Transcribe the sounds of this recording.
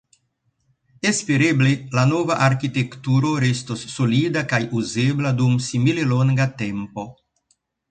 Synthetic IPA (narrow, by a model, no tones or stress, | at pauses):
espeɾeblelanovaʔaɾkit̪ekt̪uɾo̞ɾest̪osːolid̪akajuzebladumsimileloŋɡat̪empo̞